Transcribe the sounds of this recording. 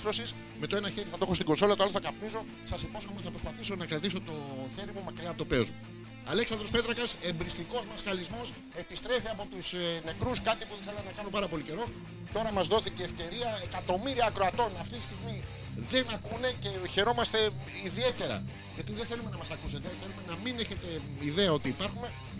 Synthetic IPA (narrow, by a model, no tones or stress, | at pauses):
ɾo̞sis | me̞t̪o̞e̞nɐçe̞ɾiθɐt̪oeostiɡo̞nso̞lɐt̪oloθɐkɐpniso̞ | sɐsipo̞sxomeθɐpɾospɐθiso̞nɐkɾɐt̪iso̞t̪o̞çe̞ɾimumɐkɾiɐpot̪ope̞ozmu | ɐleksɐnd̪ɾo̞spe̞t̪ɾɐkɐse̞mbɾist̪iko̞zmɐskɐlizmo̞s | e̞pist̪ɾe̞fiɐpo̞t̪usne̞kɾuskɐt̪ipuθiθelɐnɐkɐnopɐɾɐpo̞lice̞ɾo̞ | t̪o̞ɾɐmɐzðo̞θiceːfce̞ɾiɐekɐt̪o̞miɾiɐːkɾo̞ɐt̪o̞nɐft̪it̪ist̪iɣmi | ðe̞nɐkune̞ce̞çe̞ɾo̞mɐst̪e̞iðie̞t̪e̞ɾɐ̰ | ʝɐt̪iðeθe̞lume̞nɐmɐsɐkuse̞t̪eθe̞lume̞nɐmine̞çe̞t̪e̞ | iðe̞ɐo̞t̪iːpɐɾxume̞